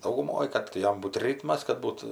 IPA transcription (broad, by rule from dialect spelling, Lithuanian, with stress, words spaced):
dɐʊɡʊˈmoːj ˈkɐt tɐɪ ˈjɛm ˈbuːt ˈrʲiːtmɐs kɐt ˈbuːt